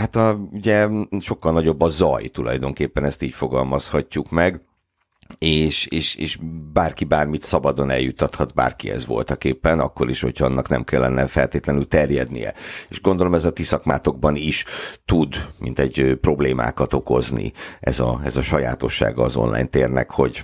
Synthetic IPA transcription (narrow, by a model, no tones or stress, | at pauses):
hat̪ɒuɟɛʃo̞kːɒlnɒɟo̞bːɒzɒjt̪ulɒ̰jd̪o̞ŋkeːpːɛnɛst̪iːcfo̞ɡɒlmɒshɒcːukmɛɡ | eːʃeːʃeːʃbaːrkibaːrmit̪sɒbɒd̪o̞nɛjːut̪ːɒt̪hɒt̪ba̰ːrkiɛ̰zʋo̞̰lt̪ɒkeːpːɛnɒkːo̞ɾiʃho̞̰cʰhɒɒnːɒknɛ̰mkɛlːɛnːɛfɛlt̪eːt̪lɛnylt̪ɛrjɛd̪nḭjɛ̰eːʃɡo̞nd̪olo̞mɛzɒt̪isɒkmaːt̪o̞ɡbɒniʃt̪ud̪mḭnt̪ɛɟøpro̞bleːmʔa̰ːkɒt̪o̞ko̞znḭɛzɒɛzɒʃɒja̰ːt̪o̞ʃːa̰ːɡɒːzo̞̰nlʔa̰ːjnt̪eːrnɛ̰kho̞ɟ